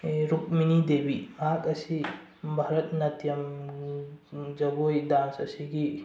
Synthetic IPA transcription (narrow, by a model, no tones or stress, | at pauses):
ɾuk̚minidebimakɐsi | bʱaɾɐt̪̚nɐtijɐm | d͡ʒɐɡojdansɐsiɡi